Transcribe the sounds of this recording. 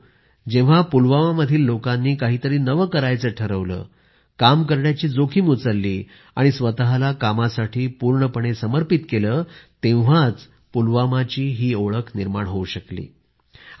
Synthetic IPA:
d͡ʑẽ̤apulʋamaməd̪ʱiːlːokanːiːkaɦiːt̪əɾiːnəʋəkəɾajt͡səːʈʰəɾəʋlə̰ː | kamkəɾɳjat͡ɕiːd͡zokʰiːmut͡səlːiː | a̰ɽ̃isʋət̪aɦalakamasaʈʰiːpuɾɳəpəɳ̃esəməɾpit̪keləːt̪ẽʋ̤at͡s | pulʋamat͡ɕiːɦiːoɭəkʰniɾmaɳɦouɕəklḭː

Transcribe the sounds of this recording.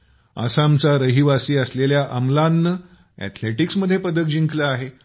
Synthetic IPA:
a̰samt͡saɾəɦiʋasiːəsleljaʔəmlanːə | ɛ̰t̪ʰleʈiksməd̪ʱːjepəd̪ək̚d͡ʑiŋkləaɦe

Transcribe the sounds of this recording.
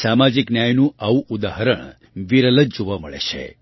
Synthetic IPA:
samad͡ʒiknjajnũaʋũʔud̪aɦəɾəɳ | ʋiɾələd͡ʒoʋaməɭḛt͡ʃʰḛ

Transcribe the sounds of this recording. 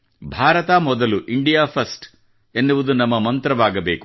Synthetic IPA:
bʱaːɾɐt̪amɔd̪ɐluʔiɳɖijaːpʰɐsʈ | e̞nːuʋud̪unɐmːɐmɐnt̪ɾɐʋaːɡɐbeːku

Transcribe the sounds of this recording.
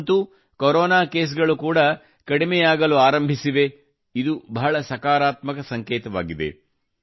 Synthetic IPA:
t̪u | koɾɔːnaːkeːs̬ɡɐɭukuːɽɐ | kɐɽimɛjaːɡɐluaːɾɐmbʱisiʋe̞ | id̪ubɐɦɐɭɐsɐkaːɾaːt̪mɐkɐsɐŋkeːt̪ɐʋa̰ːɡid̪e̞̰

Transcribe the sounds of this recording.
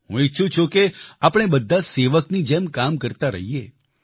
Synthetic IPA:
ɦṵ̃itːʃʰũt͡ʃʰũkeapəɳ̃ebəd̪ʱːaseʋəknid͡ʒemkamkəɾt̪aɾə̰ɦije

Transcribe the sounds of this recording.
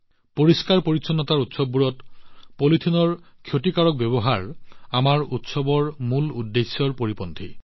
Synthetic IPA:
poɹiskaɹpoɹisɔnːɔtaɹutsɔbːuɹɔtpolitʰinɔɹkʰjotikaɹɔk̚bɛβɔɦaɹamaɹutsɔbɔɹmuludːesːɔɹpoɹipɔntʰi

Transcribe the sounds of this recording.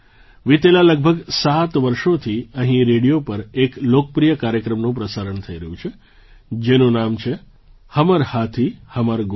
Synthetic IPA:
ʋit̪elaləɡ̚bʱəɡsat̪ʋəɾʃot̪ʰiəɦĩɾeɽijopəɾeklokəpɾijəkaɾjəkɾəmnũpɾəsaɾəɳt̪ʰəiɾəɦũt͡ʃʰe | d͡ʒenũnamt͡ʃʰe | həməɾhat̪ʰihəməɾɡ

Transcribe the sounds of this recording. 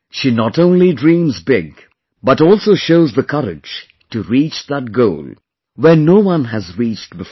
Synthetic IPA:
ʃinɔtõʊ̃nlidɹĩːmzbɪɡ | b̥ʌtɔːlˠsoʊʃoʊzðəkʰʌɾɪ̰̥d͡ʒ̥ | tɨɹit͡ʃðət̚ɡoʊlˠ | wɛ˞noʊwʌ̃nɦɨzɹit͡ʃtbɪf

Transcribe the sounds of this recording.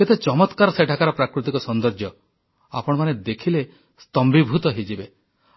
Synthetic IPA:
ket̪et͡ʃɔmɔt̪kaɾɔseʈʰakaɾɔpɾakɾut̪ikɔsɔnd̪ɔɾd͡ʒjɔ | a̰pɔɽ̃ɔmaned̪ekʰile | st̪ɔmbibʱut̪ɔɦid͡ʒibe

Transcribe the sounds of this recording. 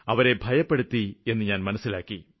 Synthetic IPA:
ɐʋɐɾe̞bʱɐjɐpːe̞ɽut̪ːie̞nːɨɲaːnmɐnɐsːilaːkːi

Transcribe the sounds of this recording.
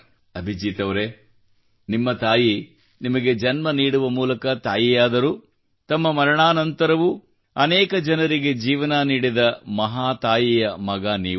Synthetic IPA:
ɐbʱid͡ʒiːt̪ɐʋɐɾe | nimːɐt̪aːji | nimɐɡe̞d͡ʒɐnmɐniːɽuʋɐmuːlɐkɐt̪aːjijaːd̪ɐɾu | t̪ɐmːɐmɐɾɐɳaːnɐnt̪ɐɾɐʋu | ɐnɛːkɐd͡ʒɐnɐɾiɡe̞d͡ʒiːʋɐnɐniːɽid̪ɐmɐɦaːt̪aːjijɐmɐɡaːniː

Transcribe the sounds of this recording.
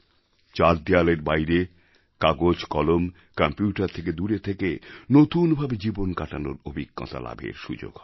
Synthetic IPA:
t͡ɕaɾd̪ialeɾbajɾe | kaɡod͡ʑkɔlom | kɔmpjuʈaɾt̪ʰeked̪uɾet̪ʰekenot̪unbʱabed͡ʑibonkaʈano̰ɾobʱiɡːɔ̰t̪a̰la̰bʱḛɾʃud͡ʑo̰ɡʱɔ

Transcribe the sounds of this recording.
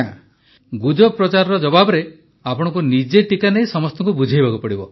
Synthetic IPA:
ɡud͡ʒɔpɾɔt͡ʃaɾɔɾɔd͡ʒɔbabɔɾe | apɔɽ̃ɔ̃kunid͡ʒeʈikanejsɔmɔst̪ɔŋkubud͡ʒʱajbakupɔɽibɔ

